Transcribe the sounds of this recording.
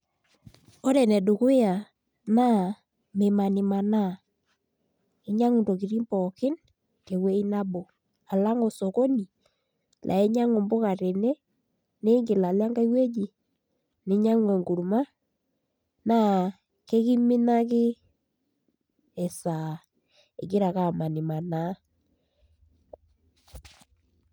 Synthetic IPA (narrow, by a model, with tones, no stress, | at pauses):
o˦ɾɛ˨nɛ˨du˨kʊ˦ja˨ | na˦ | me˨ma˨nɪ˨ma˨na˦˨ | ɪ˦ɲa˦ŋu˨nto˨k̬i˨ɾi˦mpɔ˨kɪ˦n | ke˨we˦i˦na˦bo˨ | a˨la˦ŋo˨so˨ko˦ni˨ | lʔa̰˨e˦ɲa˦ŋo˨mbo˦ka˨ɾe˨nɛ˦ | ne˦ŋɡe˨la˨la˦ŋɡa˦i˦we˦d͡ʒi˨ | ne˨˦ɲa˦ŋ˦e˨ŋɡu˨ɾu˨ma˦ | na˦˨ | ke˦ki˦mi˦na˦k̬ɪ˦ | e˨sa˨ | ḛ˨ke˦ɾa˨ka˨ma˨ni˨ma˨na˨˦